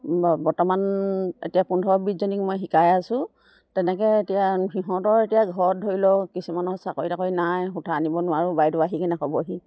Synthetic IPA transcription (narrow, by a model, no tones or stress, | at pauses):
bɔɹtɔmanḛtijapundʱɔbizɔnikmojɦikajasʊ̃ | tɛnɛkɛetijaɦiɦɔ̃tɔɹetijaɡʱɔt̚dʱoɹilɔkisumanɔsakoɹitakojnajxutʰaːnibɔnʊwaɹʊbajdʊaɦikɛnakɔbɔɦi